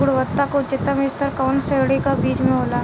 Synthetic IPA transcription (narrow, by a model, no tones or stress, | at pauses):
ʊɽʋət̪ːakot͡ʃɪt̪əmest̪əɾkɔːnseɽikabiːd͡ʒmẽɦoːlaː